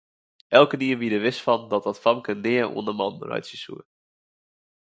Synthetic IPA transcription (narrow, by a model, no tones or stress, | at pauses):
ʔɛlˠkəniəʋidəʋɪstfɑndɔt̚dɑtfɑmkəndɪəʔṵəndəmɑ̰ndə̰rœ̰ɥtsisṵə